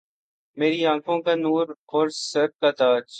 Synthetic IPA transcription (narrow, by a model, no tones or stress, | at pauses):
meːɾiãːkʰõkanuːɾɔːɾsɐɾ̚kat̪aːd͡ʒ